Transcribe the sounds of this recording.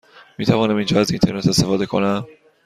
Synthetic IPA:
miːt̪ʰævɒːnæmind͡ʒɒːæzint̪ʰe̞ɾne̞t̪e̞st̪efɒːd̪e̞kʰo̞̰næm

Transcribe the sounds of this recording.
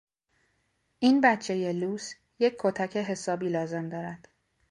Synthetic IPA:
ʔiːnbæt̪t͡ʃʰe̞je̞luːs | je̞cʰkʰːot̪ʰæcʰe̞ɦe̞sɒːbiːlɒːze̞md̪ɒːɾæd̪̥

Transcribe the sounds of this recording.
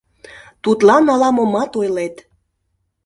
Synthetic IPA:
t̪ut̪lɑnɑlɑmomɑt̪ojlet̪

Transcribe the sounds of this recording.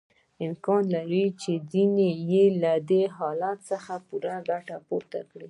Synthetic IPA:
ɪmkɑnlaɾit͡ʃezinejelad̪eɦɑlat̪səxapuɾaɡaʈapoɾt̪a̰kɽi

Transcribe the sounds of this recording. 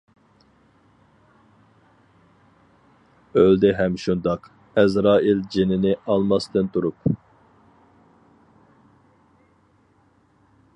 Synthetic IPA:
øld̪ɛɦɛmʃund̪ɑq | ɛzɾɑːild͡ʒenɪnɪʔɑlˠmɑsd̪ɨnt̪ʰuɾup̚

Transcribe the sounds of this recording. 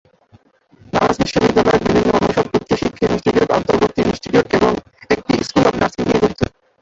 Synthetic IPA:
nanasbiʃːobid̪ːalɔeɾbibʱinːoɔnoʃɔb̚ut̪ːɾoʃikʰːeisʈiʈiuʈɔ̰nt̪oɾboɾt̪ːiisʈiʈiuʈeboŋ | ek̚ʈiskulɔbnaɾsinkiɡuɾt̪ʰe

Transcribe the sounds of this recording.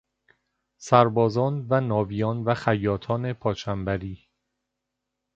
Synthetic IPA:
sæɾbɒːzɒːnvænɒːviːjɒːnvæxæjːɒːt̪ʰɒːne̞pʰɒːt͡ʃʰæmbæɾiː

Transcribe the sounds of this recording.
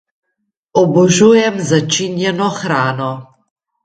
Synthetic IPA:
ɔbɔʒujɛmzat͡ʃinjɛnɔxɾaːnɔ

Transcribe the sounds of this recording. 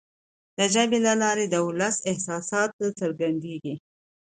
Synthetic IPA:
d̪̥əd͡ʒabelalɑɾed̪əʊlasɪhsɑsɑt̪asəɾɡand̪eɡi

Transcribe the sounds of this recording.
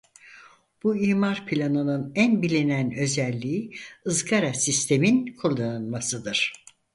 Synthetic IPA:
b̥uiːmaɾpʰilʲanɯnɯnænbilʲinænø̞zælʲːiiɯzɡaɾasist̪ʰe̞minkʰuɾˠd̪ˠanɯnmasɯd̪ɯɾ̥

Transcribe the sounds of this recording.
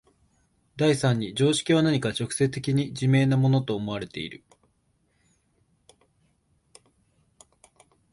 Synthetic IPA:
d̪aisãɲ̟ːid͡ʑo̞ːɕi̥kʲiβ̞anaɲ̟ikat͡ɕo̞kɯ̟̥se̞t̪e̞kʲiɲ̟id͡ʑime̞ːnamo̞no̞t̪o̞ːmo̞β̞aɾe̞t̪e̞ḭɾɯ̟̰

